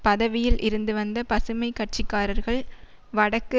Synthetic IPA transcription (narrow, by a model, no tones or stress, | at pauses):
pɐðɐʋɪjɪlʔɪɾɯnd̪ɯʋɐnd̪ɐpɐsɯmɐɪkːɐʈ̚t͡ʃɪkːaːɾɐɾɣɐɭ | ʋɐɽɐkːɯ